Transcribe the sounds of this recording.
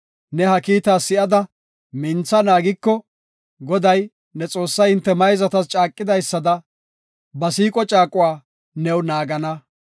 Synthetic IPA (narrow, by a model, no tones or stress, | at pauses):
nɛhɐkiːt̪aːsɪʔɐd̪ɐ | mɪnt͡sːɐnaːɡɪkːɔ | ɡɔd̪ɐj | nɛt͡sʼo̞ːsːɐjhɪnt̪ːɛmɐjzɐt̪ɐst͡ʃʼaːkʼːɪd̪ɐjsːɐd̪ɐ | bɐsiːkʼɔt͡ʃʼaːkʼːʊwaː | nɛwnaːɡɐnɐ